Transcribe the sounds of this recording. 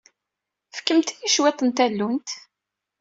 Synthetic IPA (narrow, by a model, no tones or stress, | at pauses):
fə̥kːəmt̪ijiʃwet̪ˤənt̪ælːunt̪